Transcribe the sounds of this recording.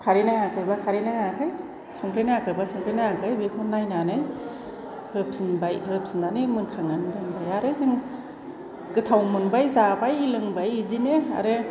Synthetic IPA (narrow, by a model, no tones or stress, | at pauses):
kʰaɾinaŋakʰɯjbakʰaɾinaŋakʰɯj | sɔŋkɾɯjnaakʰɯbasɔŋkʰɾɯjnaakʰɯjbekʰɔnːajnanɯj | hɯp̚sɯnbajhɯp̚sɯnanɯmɯnkʰaŋandɯŋbajaɾɯzɯŋ | ɡɯtʰawmɯnbajzabajilɯŋbajzinea̰ɾɯ